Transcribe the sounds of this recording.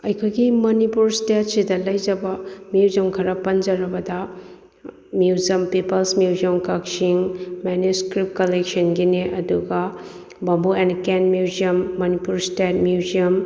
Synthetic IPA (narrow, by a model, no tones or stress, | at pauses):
ɐjkʰojɡimɐnipuɾstet̚sidɐlɐjd͡ʒɐbɐmjuzɐmkʰɐɾɐpɐnd͡ʒɐɾɐbɐdɐ | mjiuzɐmpipɐlsmjuwziɐmkɐksiŋmɛnjuskɾip̚kɐlek̚sɐnɡineʔɐduɡɐ | bɐmbuenkenmjuziɐmːɐnipuɾstet̚mjuziɐm